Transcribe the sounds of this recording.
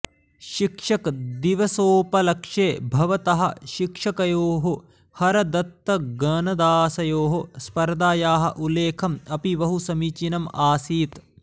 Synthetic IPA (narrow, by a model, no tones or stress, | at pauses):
ʃikʂɐkd̪iʋɐsoːpɐlɐkʂeːbʱɐʋɐt̪ɐɦɐ̰̆ʃikʂɐkɐjoːɦo | hɐɾɐd̪ɐt̪ːɐɡɐnɐd̪aːsɐjoːɦospɐɾd̪aːjaːɦɐ̰̆ʔuleːkʰɐmɐpiʋɐɦusɐmit͡ʃinɐmaːsiːt̪